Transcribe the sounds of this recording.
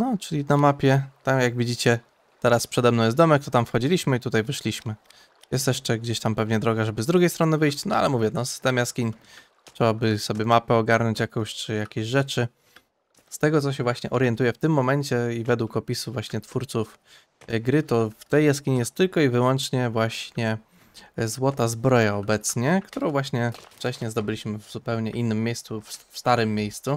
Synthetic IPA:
nɔt͡ʂɘlʲinamapʲjɛt̪amjaɡvʲid͡ʑit͡ɕɛ | t̪ɛɾaspʂɛd̪ɛmnɔ̃jɛs̬d̪ɔmɛk̚t̪ɔt̪amfxɔd͡ʑilʲiɕmɘit̪ut̪ajvɘʂlʲiɕmɘ | jɛst̪jɛʂt͡ʂɛɡd͡ʑeɕt̪ampɛvɲɛd̪ɾɔɡaʐɛbɘzd̪ɾuɡʲejst̪ɾɔnɘvɘjɕt͡ɕnɔa̰lɛmuvʲjɛnɔsɘ̥st̪ɛmjaskʲiɲ | tʂɛwabɘsɔbʲjɛmapɛɔɡaɾnɔɲt͡ɕjakɔ̃w̃ɕt͡ʂɘjakʲeɕʐɛt͡ʂɘ | st̪ɛɡɔt̪sɔɕ̬ɛvwaɕɲɛʔɔɾjɛnt̪ujɛft̪ɘmːɔmɛɲt͡ɕɛivɛd̪wukɔpʲisuvwaɕɲɛt̪fuɾt̪suf | ɡɾɘt̪ɔft̪ɛjːaskʲiɲijɛst̪ːɘlkɔivɘwɔnt͡ʂɲɛvwaɕɲɛ | zwɔt̪azbɾɔjaɔbɛt̪sɲɛkt̪uɾɔ̃w̃vwaɕɲɛft͡ʂɛɕɲɛzd̪ɔbɘlʲiɕmɘvz̥upɛwɲɛʔinːɘmːjejst̪suffst̪aɾɘmːjejst̪su

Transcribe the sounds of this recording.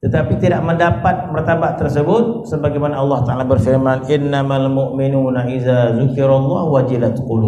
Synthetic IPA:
t̪ət̪apit̪idaʔməndapat̪̚pərt̪ambaʔt̪ərsəbʊt̪̚səbaɡajmanaɑlːɑht̪aalabərfirmanʔɪnːamalmʊʔminunaʔizazukɪɾalˤːɑhwad͡ʒilat̪qulu

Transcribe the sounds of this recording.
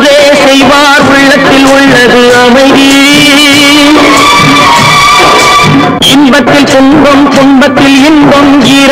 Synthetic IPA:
ðeː | sɛjʋaːɾʊɭːɐt̪ːɪlʊɭːɐðɯɐmɐɪði | ʔɪnbɐt̪ːɪlkʊnbɐmk̪ʊmbɐt̪ːɪlɪnbɐmkiɾ

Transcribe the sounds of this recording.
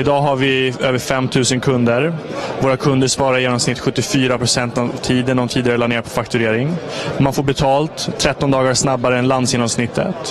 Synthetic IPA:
ɪd̪ɑːɦaɾvɪøːvəɾfɛmːt̪ʰʉ̟ːsənkʰɵnd̪əɾ | voːɾakʰɵnd̪əʂpɑːɾaɾjeːnɔmsnɪt̪ːɧɵt̪ːɪfyːɾapɾʊsɛnt̪avt̪ʰiːd̪ənd̪ɔmt̪ʰiːd̪ɪɡaɾɛlaneːɾapʰɔfakt̪ɵɾeːɾɪŋmanfoːɾbɛt̪ʰɑːlt̪ʰːɾɛt̪ːɔnd̪ɑːɡaʂnabːaɾəɛnland̪sjeːnɔmsnɪt̪ʰːə̰t̪

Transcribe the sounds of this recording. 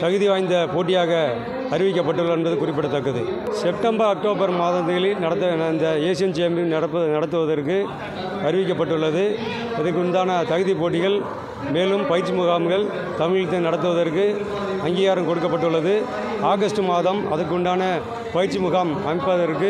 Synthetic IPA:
t̪ɐɣɯðiʋaːjnd̪ɐpoːʈːɪjaːɣɐ | ɐɾɪʋɪk̬ʲːɐpːɐʈːɯɭːɐɛnbɐðɯkʊrɪpːɪɽɐt̪ːɐkːɐðɯsɛp̚ʈɐmbɐɾɐk̚ʈoːbɐɾmaːðɐt̪ːɣɐɭɪlnɐɽɐt̪ːɐɪnd̪ɐeːsɪjɐmt͡ʃɛjɐmɪnɐɽɐpːɐnɐɽɐt̪ːɯʋɐðɐrkɯ | ɐɾɪʋɪk̬ːɐp̬ːɐʈːɯɭːɐðɯ | ɪðɐɾkːɯɯɳɖ̪aːnɐt̪ɐɣɯðipoːʈːɪɣɐɭ | meːlɯmpɐjɪɾt͡ʃːimʊɣaːmɡɐɭ | t̪ɐmɪɻɪt̪ːɐnɐɽɐt̪̬ːɯʋɐðɐrkɯ | ɐŋɡiːɣaːɾɐmkɔɽɯk̬ːɐpːɐʈːɯɭːɐðɯ | aːɣɐsʈɯmaːðɐmɐðɐɾkːʊɳɖaːnɐ | pɐjɪɾt͡ʃːimʊɣaːmɐmɪpːɐðɐɾkɯ

